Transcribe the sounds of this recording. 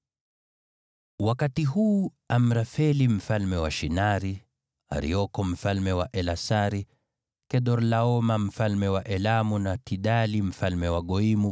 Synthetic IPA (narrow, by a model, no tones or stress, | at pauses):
wakatiɦuː | am̩ɾafɛlim̩falmɛwaʃinaɾi | a̰ɾḭɔkɔm̩falmɛwaʔɛlasaɾi | kɛɗɔɾlaɔmam̩falmɛwaʔɛlamunatiɗalim̩falmɛwaɠɔimu